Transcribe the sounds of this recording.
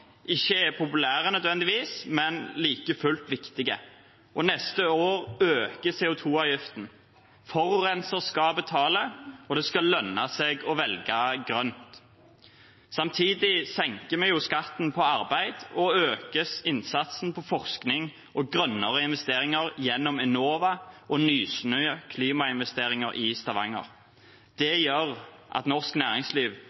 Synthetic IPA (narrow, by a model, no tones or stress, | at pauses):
ʔɪçːəɛpʰʊpʉlæːʁənœd̪ʋɛnd̪ɪʋiːsmɛnliːkəfʉlt̪ʋɪkt̪ɪɡə̰ | ʔɔnɛst̪əoːʁøːkəseːʊt̪ʰuːɑʋjʏft̪n̩ | fɔʁʁɛnsəʁskɑbət̪ʰɑːləɔd̪ɛskɑlœnɑseːɡɔʋɛlɡɑɡʁœnt̪ | sɑmt̪ʰiːd̪ɪsɛŋkəmɛjʊskɑt̪n̩pʰɔɑʁbæɪd̪ɔøːkəsɪnsɑt̪sn̩pʰɔfɔʁsknɪŋ | ʔɔɡʁœnːəʁəɪnʋɛst̪eːʁɪŋəʁjɛnːɔmɛnoːʋɑʔɔnyːsnœʏəkʰliːmɑɪnʋɛst̪eːʁɪŋəɾʔɪst̪ɑʋɑŋə̰ʁ | d̪̥ɛjœʁʔɑ̰t̪nɔʁsknæːʁɪŋsliːʋ